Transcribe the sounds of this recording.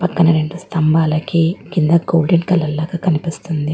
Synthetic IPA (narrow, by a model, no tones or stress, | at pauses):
pɐkːɐnɐɾeɳɖust̪ɐmbaːlɐkekind̪ɐɡoːlɖeɳɖkɐlːɐlːaːɡaːkɐnipist̪und̪i